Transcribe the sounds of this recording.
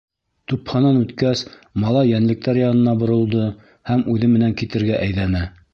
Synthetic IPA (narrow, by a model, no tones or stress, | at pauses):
t̪uphɑnɑnʉt̪kæs | mɑlˠɑjænlɘ̆k̚t̪æɾjɑnɤ̆nɑbŏɾɤ̆lˠd̪ɤ | hæmʉðɘmɘ̆næŋkit̪ɘ̆ɾɡæʔæjðænæ